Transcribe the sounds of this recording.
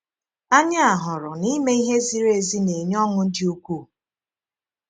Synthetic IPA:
a˦ɲa˦a˨ɦʊ˨ɾʊ˨ni˦me˦i˦ɦe˦zi˦ɾe˨zi˦ne˨ɲ˦ɔ˦ŋʊ˦n̩˦dɪ˦u˦kʷu˦˨

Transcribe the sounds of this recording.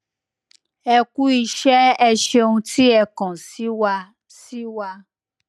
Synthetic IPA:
ɛ˧ku˦i˧ʃɛ˦ɛ˧ʃe˧ũ˧tʰi˦ɛ˧kɔ̃˨si˦wa˧ | si˦wa˧

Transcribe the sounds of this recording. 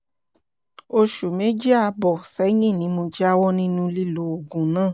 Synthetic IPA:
o˧ʃu˨me˨˦d͡ʒi˦a˧bɔ˨sɛ˨˦ɲĩ˦˨nĩ˨˦mo˧d͡ʒɛ˦a˦wɔ˦nĩ˦nũ˧li˦lo˨˦o˨ɡũ˨nãː˦˨

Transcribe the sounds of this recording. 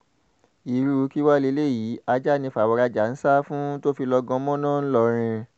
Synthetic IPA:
i˨ɾu˧ki˦wa˦le˨˧˦le˦˨jiː˨˦a˧d͡ʒa˦˨nĩ˧fwɔ˧ɾa˧d͡ʒa˨n̩˦sa˦fũ˦to˦fi˧lɔ˧ɡɔ̃˧˦mɔ̃˦nã˦˨n̩˦lɔ˧ɾ̃ĩ˧

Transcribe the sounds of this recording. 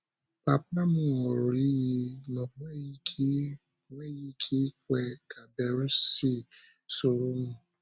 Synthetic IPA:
pa˨pla˦mũ˦˨o˨ɾi˦ji˧nɔ̃˨ɡ͡bɛ˦ji˦kʰi˦˨ | ɡ͡bɛ˦ji˦kʰi˦kwɛ˨ka˨bɛ˨ɾu˦si˦ | so˨ɾu˦mũ˦˨

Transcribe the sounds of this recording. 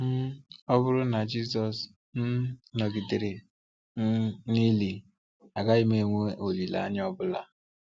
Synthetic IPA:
m̩˦ɔ˦bʊ˦ɾʊ˦na˨d͡ʒi˦sɔ˨s | n̩˦no˨ɡi˨de˨ɾɪ˨˦ | ni˦li˨ | a˨ɡa˦ɪ˦me˨ŋʷe˦o˨li˨la̰˨ɲ˦ɔ˦bʊ˦la˦

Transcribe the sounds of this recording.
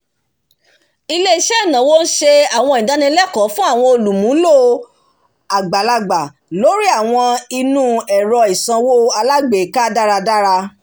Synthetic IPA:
i˧le˦i˨ʃɛ˦˨nã˨wo˦n̩˦ʃe˧a˨w̃ɔ̃˧i˨da˨˦nĩ˧˦lɛ˦˨kɔ̃˨˦fũ˦a˦˨w̃ɔ̃˧o˧lu˨mũ˨˦lo˦˨ | a˨ɡ͡ba˨la˧ɡ͡ba˨ | lo˦ɾi˦a˦˨w̃ɔ̃˧i˧nũ˦ɛ˨ɾɔ˧i˨sã˧wo˦a˧la˦ɡ͡be˨˦ka˦da˦ɾa˧da˦ɾa˧

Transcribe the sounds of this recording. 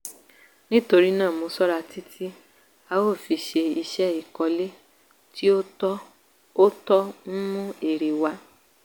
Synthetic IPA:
nĩ˦to˧ɾi˦nãː˦˨mo˧sɔ˦ɾa˧tʰi˦tʰi˦ | a˧wo˦˨fi˧ʃe˧i˧ʃɛ˦i˦˨kɔ˧le˦ | ti˦o˦ | o˦tɔ˦n̩˦mũ˦e˨ɾe˨wa˧˦

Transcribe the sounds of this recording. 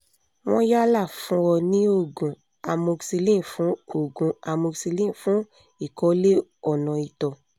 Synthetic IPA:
w̃ɔ̃˦ja˦la˦˨fũ˧˦wɔ˧nĩ˦o˦˨ɡũ˨ | a˧mo˧ksi˧lĩ˦˨fũ˨˦o˦˨ɡũ˨a˧mo˧si˧lĩ˦˨fũ˨˦ | i˦˨kɔ˨˦le˦ɔ˨nɔ̃˨i˨tɔ˨

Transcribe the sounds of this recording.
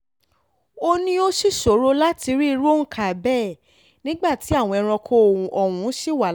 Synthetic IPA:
o˧nĩ˦o˦ʃi˦˨ʃo˨˦ɾo˧la˦ti˧ɾi˦˧ɾo˦n̩˦kʰa˨bɛ˦˨ | nĩ˦ɡ͡ba˦˨ti˨˦a˦˨w̃ɔ̃˧ɛ˧ɾ̃ɔ̃˧kʰõ˦˨ʔɔ˨wũ˨˦ʃi˦˨wa˨

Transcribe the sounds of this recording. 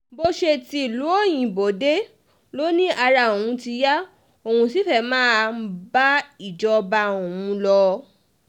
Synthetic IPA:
bo˧ʃe˧ti˧i˨lu˨˦o˦˨j̃ĩ˨bo˨de˦ | lo˦nĩ˦ʔa˧ɾa˧˨õ˨ũ˨˦ti˧ja˦ | o˧˨hũ˧si˨˦fɛ˦˨mãː˦ba˦i˨d͡ʒɔ˧ba˧õ˨ũ˧˦lɔ˧

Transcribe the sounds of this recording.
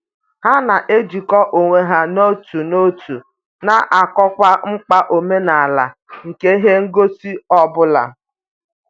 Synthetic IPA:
ha˦na˨ʔe˦d͡ʒi˨kɔ˦ʔo˨ŋʷe˨ɦa˦no˦tu˨no˦tu˨ | na˨ʔa˨kɔ˦kʷa˦ŋ͡m̩˦k͡pa˦ʔo˨me˦na˨a˨la˨ŋ̩˨ke˦i˦ɦe˦ŋ̩˦ɡo˦si˦ɔ˦bʊ˦la̰˨

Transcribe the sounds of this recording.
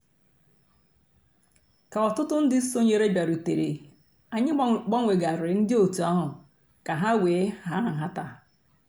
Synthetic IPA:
ka˨ɔ˨tʊ˦tʊ˦n̩˦dɪ˦so˦ɲe˨ɾe˦ba˨ɾu˨te˨ɾḛ˨ | a˨ɲɪ˦ɡ͡bɔ˦ŋʷe˨ɡa˨ɾɪ˨n̩˦dɪ˦o˨tu˨a˦ɦʊ˨ | ka˨ɦa˦weː˨˦ha˦˨ɦa˦ta˨

